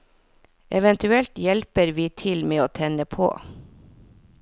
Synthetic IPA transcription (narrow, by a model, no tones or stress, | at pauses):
ʔɛʋɛnt̪ʉɛlt̪jɛlpəɾʋiːt̪ʰɪlmeːoːt̪ʰɛnəpʰo̰ː